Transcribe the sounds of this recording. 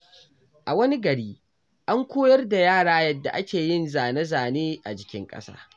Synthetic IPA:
ʔa˨wɐ˦ni˦ɡɐ˨ɽiː˦ | ʔa˦ŋkʷoː˦jɐ˦rda˨jaː˦˨ɽaː˦jɐ˦dːa̰˨ʔa˦kʲeː˨jɪ˦nzaː˨nɐ˦zaː˨neː˦ʔa˨d͡ʒɪ˨kʲɪ̰˦ŋkʼɐ̰˦sa̰ː˦

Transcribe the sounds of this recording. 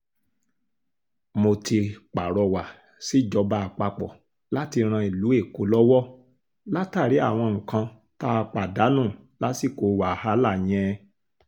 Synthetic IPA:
mo˧ti˧k͡pa˨ɾɔ˧wa˨ | si˨˦˨d͡ʒɔ˧ba˧˦˨k͡pa˧k͡pɔ˨ | la˦ti˧ɾ̃ã˧i˨lu˨˦e˦˨ko˨˦lɔ˦wɔ˦ | la˦ta˦˨ɾi˨˦a̰˦˨w̃ɔ̃˧ŋ̩˨kã˧ | ta˦˧k͡pa˨da˨˦nũ˦˨la˦si˦˨ko˨˧wa˨ha˦la˦˨j̃ɛ̃˧

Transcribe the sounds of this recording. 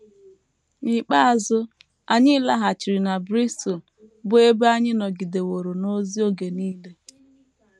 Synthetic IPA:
ni˨k͡pa˦a˨zʊ˦ | a˨ɲɪ˦la˦ɦa˨t͡ʃi˨ɾi˨na˨bɾi˦stl | bʊ˦e˦be˦a˦ɲɪ˦nɔ˨ɡi˨de˨wo˨ɾo˨no˦zi˦o˦ɡe˨niː˦le˦

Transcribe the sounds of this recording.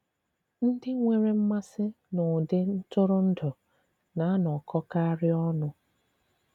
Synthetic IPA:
n̩˦dɪ˦ŋʷe˨ɾe˦m̩˦ma˦sɪ˦ | nʊ˨dɪ˦n̩˦tʊ˦ɾʊ˦n̩˦dʊ˨ | na˨a˦nɔ˨kʰɔ˦ka˦a˦ɾɪ˦ɔ˦nʊ˦

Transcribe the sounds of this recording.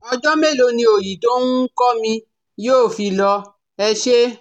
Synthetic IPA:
ɔ˧d͡ʒɔ˦me˦˨lo˧nĩ˧o˨ji˨to˦nu˦kɔ˦mĩ˧ | joː˦˨fi˧lɔ˧ | ɛ˧ʃe˦

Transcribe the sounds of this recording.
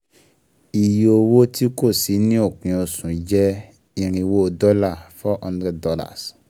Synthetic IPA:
i˨jo˨wo˦ti˦ko˦˨si˨˦nĩ˦o˦˨k͡pĩ˨o˨sũ˨˦d͡ʒɛ˦ | ĩ˨ɾ̃ĩ˨wo˦˨dɔ˦la˦˨fɔ˦ʔɔ̃˦ndɾɛ˦ddɔ˦la̰˨s

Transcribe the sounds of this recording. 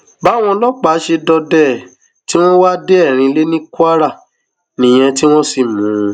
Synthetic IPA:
ba˨˦˨w̃ɔ̃˧lɔ˦k͡pa˨˦ʃe˧dɔ˧dɛ˦˨ | ti˦w̃ɔ̃˦wa˦de˦ɛ˦˨ɾ̃ĩ˧le˦nĩ˦ku˦a˦ɾa˦˨ | nĩ˨j̃ɛ̃˧ti˦w̃ɔ̃˦si˦˨mũ˨˦

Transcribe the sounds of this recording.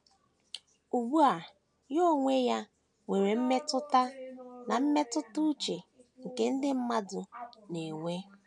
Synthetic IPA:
u˨bu˦a˨ | jo˦ŋʷe˦ja˦ | we˨ɾe˨m̩˦me˦tʊ˦ta˦na˨m̩˦me˦tʊ˦tʊ˦t͡ʃe˨ŋ̩˨ke˦n̩˦dɪ˦m̩˦ma˦dʊ˨ne˨ŋʷe˦

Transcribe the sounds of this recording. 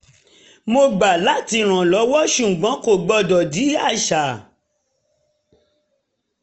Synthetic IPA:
mo˧ɡ͡ba˨la˦ti˧ɾ̃ã˨lɔ˨˦wɔ˦ʃu˨ɡ͡bɔ̃˨˦ko˦˨ɡ͡bɔ˧dɔ˨di˨˦a˦˨ʃa˨

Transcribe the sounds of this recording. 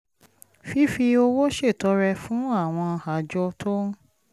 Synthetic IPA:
fi˦fi˧o˧wo˦ʃe˦˨tɔ˨˦ɾɛ˧fũ˦a˦˨w̃ɔ̃˧ha˨d͡ʒɔ˧tʰo˦

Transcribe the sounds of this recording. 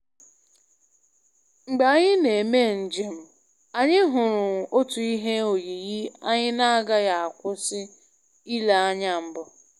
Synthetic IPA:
ŋ͡m̩˨ɡ͡ba˨a˦ɲɪ˦ne˨me˦˨n̩˨d͡ʒɪ˦m̩˦ | a˨ɲɪ˦ɦʊ˨ɾʊ˨o˦tu˨i˦ɦe˦o˨ji˨ɣi˦a̰˦ɲɪ˦na˦a˦ɡa˦ja˨a˨kʷʊ˦sɪ˦ | i˦la˨a˦ɲa˦m̩˦bʊ˨

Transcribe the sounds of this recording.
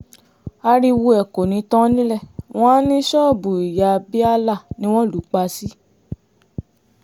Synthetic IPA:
a˧ɾi˧wu˧ɛ˨ko˨nĩ˨˧˦tɔ̃˦nĩ˦lɛ˦˨w̃ɔ̃˦nĩ˦ʃɔ˦˨bu˨i˨ja˨bi˦a˧la˦˨nĩ˦w̃ɔ̃˦˨lu˨˦k͡pa˧si˦

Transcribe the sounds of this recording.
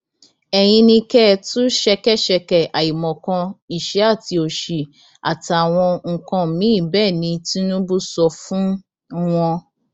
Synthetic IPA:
ɛ˨j̃ĩ˧nĩ˧kɛ˦tũ˦ʃɛ˧kɛ˦˨ʃɛ˧kɛ˨ʔa˨i˨mɔ̃˨kã˧i˨ʃɛ˨˦a˦˨ti˧o˨ʃi˨ | a̰˨ta˨w̃ɔ̃˧ŋ̩˨kã˧˨mĩ˨˦˨bɛː˦˨nĩ˧ti˦nũ˦bu˦sɔ˧fũ˦ | w̃ɔ̃˧

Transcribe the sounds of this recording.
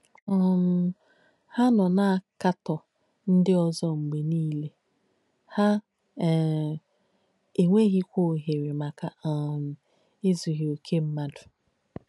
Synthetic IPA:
ɔ˨nʊ˦ | ha˦nɔ˨na˦a˨ka˦tɔ˨ | n̩˦dɪ˦ɔ˦zɔ˦ŋ͡m̩˨ɡ͡be˨niː˦le˦ | ha˦˨ | e˨ŋʷe˦ɣi˦kʷo˦˨ɦe˨ɾi˨ma˨ka˨a˨ | ɪ˦zu˨ɦi˨o˨kʰe˦m̩˦ma˦dʊ̥˨

